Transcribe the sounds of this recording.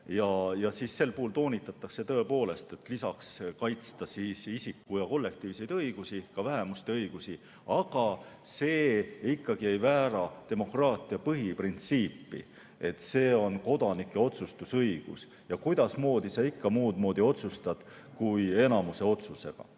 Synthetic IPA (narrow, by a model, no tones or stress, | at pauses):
jɑjɑsiːsse̞lpuhult̪o̞ːnʲit̪ːˑɑt̪ˑːɑkset̪ɤ̞e̞po̞ːle̞st̪e̞t̪lisɑkskɑjt̪st̪ɑsiːsisikːujɑko̞lːe̞k̚t̪iːvse̞jd̪ɤjɡ̥usikɑvæɦe̞must̪e̞ɤjɡ̥usi | ɑɡ̥ɑse̞ːikːɑɡ̥iejvæːɾɑt̪e̞mo̞krɑːt̪ˑiɑpɤɦiprint̪siːpːḭ | e̞t̪ːse̞ːo̞nko̞d̪ɑnikːˑe̞o̞t̪sust̪usɤjɡ̥ṵs | jɑkujd̪̥ɑsmo̞ːd̪isɑikːɑmuːd̪mo̞ːd̪io̞t̪sust̪ɑd̪̥ | kuje̞nɑmuse̞o̞t̪suse̞̰ɡ̥ɑ̰